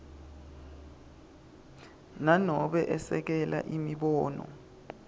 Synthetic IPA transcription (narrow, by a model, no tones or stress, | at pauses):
nanɔɓɛʔɛsɛk̬ɛla̰ʔimiɓɔːnɔ̰